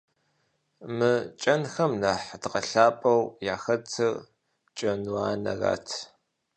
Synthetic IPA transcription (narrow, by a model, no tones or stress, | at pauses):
mɨt͡ʃʼɐnxɐmnɐħdqɐɬaːpʼɐwjaːxɐtʰɨr | t͡ʃʼɐnwaːnɐ̰ra̰ːtʰ